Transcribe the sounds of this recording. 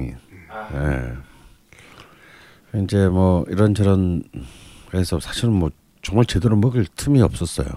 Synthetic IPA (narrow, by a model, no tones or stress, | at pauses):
ḭnḛ | ind͡ʑe̞mʌiɾʌnt͡ɕʰʌɾʌn | esʰʌsʰaɕʰiɾɯnmwʌ | t͡ɕʌŋmaɭt͡ɕe̞doɾomɯɡɯɭtʰɯmiʌp̚s͈ʌs͈ʌ̰jo̰